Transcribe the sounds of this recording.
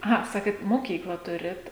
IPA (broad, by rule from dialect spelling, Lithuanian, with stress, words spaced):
ɐˈɣɐ ˈsɑːkʲeːt moːˈkʲiːklˠɐ ˈtʊrʲɪt